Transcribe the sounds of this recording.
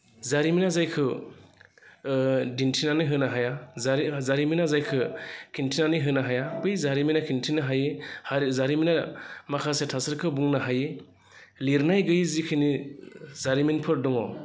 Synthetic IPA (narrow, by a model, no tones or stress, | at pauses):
zaɾiminazajkʰɯ | dintʰinanɯɦɯnaɦajazzaɾiminazajkʰɯkʰintʰinanɯjɦɯnaɦajabɯjzaɾiminakʰintʰinaɦajehzaɾiminamakʰasetʰasɯɾkʰɯbuŋnaɦaje | liɾnajɡɯjzikʰɯnizaɾiminpʰɯɾdɔŋɔ